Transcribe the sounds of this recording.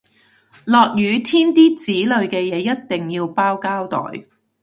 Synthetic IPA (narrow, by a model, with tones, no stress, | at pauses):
lɔː˨k̚jyː˨˧˥t̪ʰiː˥nt̪iː˥t͡siː˨˥lɵ˨˧ɥkɛː˧jɛː˨˧˥jɐ˥t̚t̪ɪ˨ŋjiː˧wpaː˥wkaː˥wt̪ɔ̰ː˨j